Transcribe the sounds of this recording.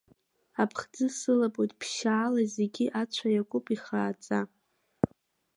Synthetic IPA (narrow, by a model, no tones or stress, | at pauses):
apʰχd͡zɨsɨlapʼojtʼpʰʃaːlazeɡʲiʔat͡ʃʷʰajakʷʼʊpʼiχaːt͡sʼa